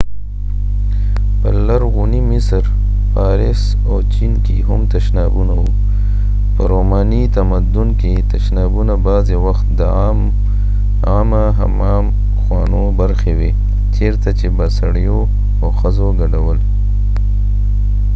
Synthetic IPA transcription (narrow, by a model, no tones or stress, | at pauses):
pəlaɾɣunimɪsɾ | paːɾɪs | owt͡ʃinkiɦʊmt̪əʃnaːbunawu | pə̰ɾoːmaːnit̪amɐd̪ʊnket̪ɐʃnaːbunabaːzewɐxt̪d̪əam | aːmaɦa̰maːm | xwaːnobɐɾxewe | t͡ʃeɾt̪at͡ʃebasaɽjo | oxɐzoɡɐɖawəl